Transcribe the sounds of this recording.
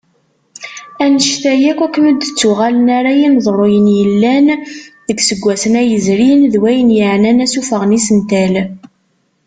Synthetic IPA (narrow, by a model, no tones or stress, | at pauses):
ænəʃθæjækʷækːməd̪t͡sːuʁælənaɾajinðˤrˤojənjəlːænðəɡsəɡʷːæsənæjəzɾinðwæjənjəʕnænæsufəʁnisənt̪æl